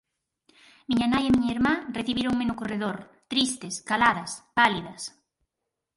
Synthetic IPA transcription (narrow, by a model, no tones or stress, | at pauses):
miɲɐnajemiɲɐeɾmãreθiβiɾoŋmenʊkoreðoɾ | t̪ɾist̪ɪskalaðɐspaliðɐs